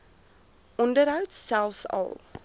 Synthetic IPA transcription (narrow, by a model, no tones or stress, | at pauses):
ʔɔndəɾɦəwtsælˠfsɐ̰lˠ